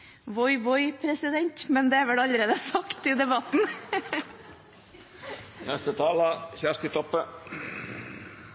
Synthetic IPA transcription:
ʋɔʏʋɔʏpʰɾɛsɪd̪ɛɲt̪mɛnd̪ɛæɾʋɛlɑʎəɾeːd̪əsɑkt̪ɪd̪ɛbɑt̪n̩ | nɛst̪ət̪ʰɑːləçæʂt̪ət̪ʰɔpːə

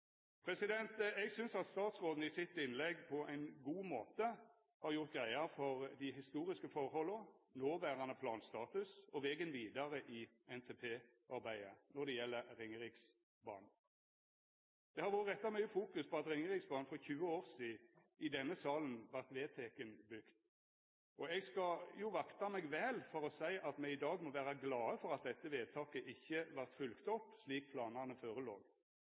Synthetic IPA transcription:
pʰɾɛsɪd̪ɛnt̪ɛɡsʏnsɑt̪st̪ɑːt̪sʁoːd̪n̩ɪsɪt̪ːɪnlɛɡpʰɔʔæɪnɡuːmoːt̪ə | hɑɾjʊʁt̪̚ɡɾæɪɑfɔʁd̪ɪɦɪst̪uːɾɪskəfɔʁhɔlːənoːʋæːʁɑnəpʰlɑːnst̪ɑːt̪ʉsɔʋɛːɡənʋiːd̪ɑʁəʔɪ | ɛnt̪ʰeːpʰeː | ʔɑɾbæɪənɔd̪ɛjɛlːəɾɾɪŋəʁɪks | bɑ̰ːn | d̪̥ɛhɑɾʋʊːɾət̪ɛt̪ːɑmœʏjəfuːkʉspʰɔɑt̪ɾɪŋəʁɪksbɑːnfɔçʉːəoːʁsiːɪd̪ɛnːəsɑːlənʋæʁt̪ʋeːt̪ʰekənbʏkt̪ | ɔɛɡskɑjʊʋɑkt̪ɑmɛɡʋeːlfɔɾɔsæɪʔɑt̪mɛɪd̪ɑːɡmɔʋæːɾɑɡlɑːəfɔʁɑt̪̚d̪ɛt̪ːəʋeːd̪̚t̪ʰɑːkəʔɪçːəʋæʁt̪fʉlkt̪ɔpːsliːk̚pʰlɑːnəʁnəføːɾəlo̰ːɡ

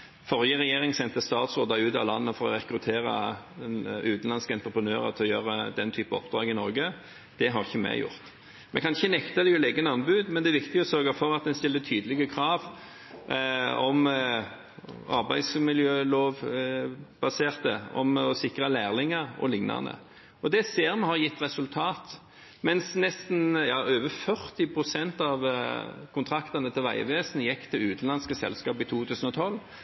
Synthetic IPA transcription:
fɔʁjəʁɛjeːʁɪŋsɛnt̪əst̪ɑːt̪sʁoːd̪ɑʉːt̪ɑ̰ʋlɑnːəfɔɾɔ̰ʁɛkɾʉt̪ʰeːɾɑ̰ | ʉːt̪n̩lɑnskəɛnt̪ɾəpʰʁənøːʁə̰t̪ʰɛɔjøːɾəd̪ɛnt̪ʰyːpəɔ̰pd̪ʁɑːɡɪnɔɾɡə | d̪̥ɛɦɑʁɪçːəmɛ̰jʊ̰ʁt̪ | mɛ̰kʰɑnɪçːənɛkt̪ɑd̪ɛjʊleːɡənɑnbʉːd̪mɛnd̪ɛæːʋɪkt̪ɪɡɔsœɾɡɑfɔʁɑt̪̚d̪ɛnst̪ɪlːət̪ʰyːd̪əlɪɡəkʰʁɑːʋ | ɔm | ɑ̰ʁbæ̰ɪsmɪljøːloːʋ | b̥ɑseːʁt̪əɔ̰mɔsɪkʁɑlæːʁlɪŋəʁɔ̰lɪŋnɑ̰nə̰ | ɔd̪ɛseːʁmɛhɑʁjɪt̪ːʁɛsʉlt̪ʰɑːt̪ | mɛnsnɛst̪n̩jɑːʔøːʋəfœʁt̪ɪpʰʁʊsɛnt̪ɑʋkʰʊnt̪ʰʁɑkt̪ɑʁnət̪ʰɪlʋæɪ̰ʋeːsənəjɛkːt̪ʰɪlʉːt̪n̩lɑnskəsɛ̰lskɑːpit̪ʰuːt̪ʰʉːsən̩ɔt̪ʰɔlː

